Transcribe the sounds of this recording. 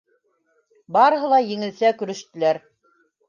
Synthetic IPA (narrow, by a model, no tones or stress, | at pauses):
bɑɾɤ̆ɦɤ̆lˠɑjɘ̆ŋɘ̆lsækɵ̆ɾɵ̆ʃt̪ɘ̆læɾ